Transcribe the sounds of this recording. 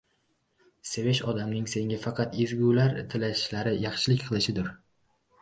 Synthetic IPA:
seveʃɒd̪amnɪŋse̞ŋʲafɑqʰɑt̪ezɡʲulaɾt̪ʰɪlaʃlaɾɪjɑχʃɪlɪkʲqʰɨlˠɪʃɪd̪ʊɾ

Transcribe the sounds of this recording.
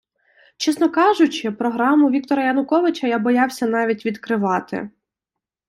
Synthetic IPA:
t͡ʃɛsnɔkɑʒʊt͡ʃɪpɾɔɦɾɑmʊʋʲik̚t̪ɔɾɐjɐnʊkɔʋɪt͡ʃɐjabɔjɑwsʲɐn̪ɑʋʲitʲʋʲid̪kɾɪʋɑt̪ɪ̰

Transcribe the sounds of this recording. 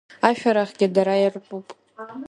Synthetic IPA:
aʃᶣaɾaχɡʲɪdaɾajarʷpʼupʼ

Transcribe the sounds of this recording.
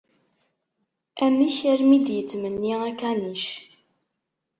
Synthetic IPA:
æmiçæɾmid̪jət͡sːmənːiækæniʃ

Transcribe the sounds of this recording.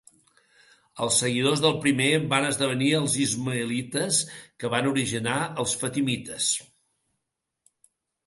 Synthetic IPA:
əlˠsːəɣiðozðəlˠpɾimebanəzðəβ̞əniəlˠzizməəlit̪əskəβanuɾiʒinaəlˠsfət̪imit̪əs

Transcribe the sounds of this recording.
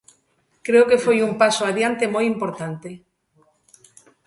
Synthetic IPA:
kɾeokefojumpasoaðjant̪emojimpoɾt̪ant̪e

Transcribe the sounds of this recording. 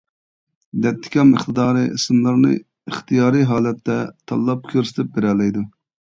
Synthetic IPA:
d̪ɛt̪ʰːɪ̥kʲʰɑməχt̪ʰɨd̪ɑːɾɨʔisɨmlˠɨɾnɨ̰ | ɨχt̪ʰijɑːɾɨɦɑːlɛt̪ːɛt̪ʰɑ̰lˠːɑp̚kʲʰøɾsɪ̥t̪ʰɪp̚beɾɛlɛjd̪u

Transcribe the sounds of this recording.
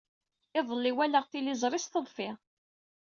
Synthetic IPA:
ɪðˤəlːiwæləʁθilizˤɾˤɪst̪əðˤfɪʁ

